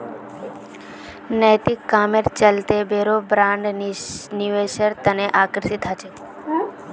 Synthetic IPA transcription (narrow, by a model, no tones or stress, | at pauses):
nəjt̪ikːaːmeɾt͡ʃəlt̪ebeːɾobɾãːɳɖniʋeʃəɾt̪əneʔaːkɾsit̪ɦat͡ʃʰe